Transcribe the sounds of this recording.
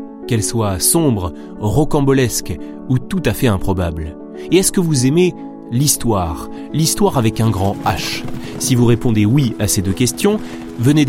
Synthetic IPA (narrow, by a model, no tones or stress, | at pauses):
kɛlswasɔ̃bʁ | ʁɔkɑ̃bɔlɛsk | ut̪ut̪afɛɛ̃pχɔbabl | eɛskəvuzɛme | list̪waʁ | list̪waʁavɛkɛ̃ɡʁɑ̃aʃsivuʁepɔ̃d̪ewiased̪økʲɛst̪jɔ̃ | vəne